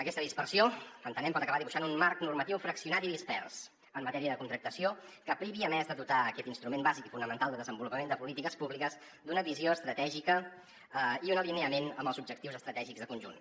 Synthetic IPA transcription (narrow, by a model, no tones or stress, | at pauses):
əkɛst̪əðispərsioənt̪ənɛmpɔt̪əkəβaðiβuʃanunmarknurmət̪iwfɾəksiunat̪iðispɛrs | əmːət̪ɛɾiəðəkunt̪ɾək̚t̪əsio | kəpɾiβiəmɛzðəðut̪aəkɛt̪inst̪ɾumembazikifunəmənt̪alˠd̪əðəzəmbulupəmend̪əpulit̪ikəspuβlikəz | d̪unəβizioəst̪ɾət̪ɛʒikə | əiunəlineəmenəmbəlˠzub̚ʒək̚t̪iwzəst̪ɾət̪ɛʒiɡzðəkunʲʒṵn